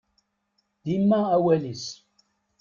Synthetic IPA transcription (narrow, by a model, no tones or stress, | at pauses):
d̪̥imːaawælis